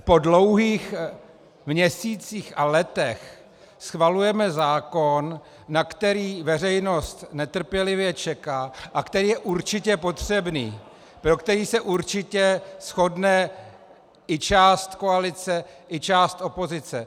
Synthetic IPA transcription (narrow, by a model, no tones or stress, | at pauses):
po̞dlo̞wɦiːx | mɲɛsiːt͡siːxalɛt̪ɛx | sxvalujɛmɛzaːkonː | akt̪ɛɾiːvɛr̝ɛjno̞st̪nɛt̪r̩pjɛlɪvjɛt͡ʃɛkaːʔakt̪ɛɾiːjɛʔuɾt͡ʃɪcɛpo̞t̪r̥ɛbnḭː | pɾo̞kt̪ɛɾiːsɛʔuɾt͡ʃɪcɛsxo̞dnɛ | ʔɪt͡ʃaːst̪ko̞alɪt͡sɛʔɪt͡ʃaːst̪ʔo̞po̞zɪt͡sɛ